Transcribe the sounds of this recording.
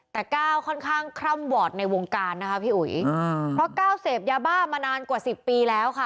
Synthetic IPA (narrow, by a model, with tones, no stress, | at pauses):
t̪ɛː˨˩kaː˥˩wkʰɔ˥˩nkʰaː˥˩ŋkʰɾa˥˩mwɔː˨˩t̪̚na˧jwo˧ŋkaː˧nːa˦˥kʰa˦˥pʰiː˥˩ʔṵ˨˩˦ppʰɾɔ˦˥kaː˥˩wseː˨˩p̚jaː˧baː˥˩maː˧naː˧nkwaː˨˩si˨˩pːiː˧lɛː˦˥wkʰa˥˩